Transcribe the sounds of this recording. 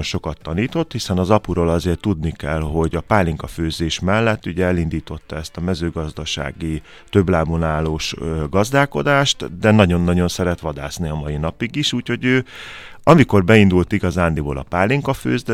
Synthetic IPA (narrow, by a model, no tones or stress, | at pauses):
onʃo̞kɒt̪ːɒniːt̪o̞t̪hisɛnɒzɒpuɾoːlɒzeːrt̪ːud̪nikɛlɦo̞ɟɒpaːliŋkɒføːzeːʃmɛlːɛt̪ːuɟɛɛlind̪iːt̪o̞t̪ːɒɛst̪ɒmɛzøːɡɒzd̪ɒʃa̰ːɡi | t̪ø̞blaːmunaːloːʃɡɒzd̪aːko̞d̪aːʃt̪d̪ɛnɒɟo̞nːɒɟo̞nsɛɾɛt̪ʋɒd̪a̰ːsniɒmɒjinɒpiɡiʃuːcho̞ɟøː | ɒmiko̞rbɛind̪ult̪iɡɒzaːnd̪iboːlʔɒ̰paːliŋkɒføːzd̪ɛ